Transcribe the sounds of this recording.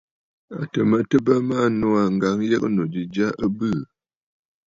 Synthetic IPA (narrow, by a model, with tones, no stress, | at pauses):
a̰˨tə˨mə˦tə˦bə˦ma˦˨no˦a˨ŋ̩˨ɡa˨˦ŋ˦jɛ˦kno˨d͡ʒi˨d͡ʒa˦ʔə˦bɨ˦˨